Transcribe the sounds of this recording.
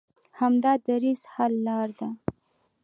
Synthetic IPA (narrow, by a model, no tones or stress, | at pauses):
hamd̪ɑd̪aɾizhalːɑɾd̪a